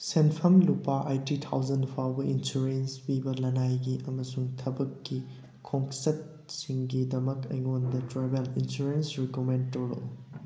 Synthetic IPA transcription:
senpʰɐmlupaʔajtitʰa̰wzɐnpʰawbɐʔinsuɾenspibɐlɐnajɡiʔɐmɐsuŋtʰɐbɐkːi | kʰoŋsɐt̚ | siŋɡidɐmɐkɐ̰jŋondɐtɾebelinsuɾensɾikomend̚toɾo̰

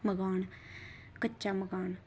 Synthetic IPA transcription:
məɡaːn | kətːʃaməɡaːn

